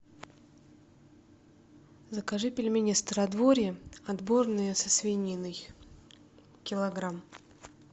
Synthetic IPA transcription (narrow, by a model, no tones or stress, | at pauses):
zəkaʐɨpʲɪlʲmʲenʲɪst̪əɾɐd̪voɾʲəɐd̪bo̞rnɨjəsəsvʲɪnʲinɨj | kʲɪlˠɐɡɾam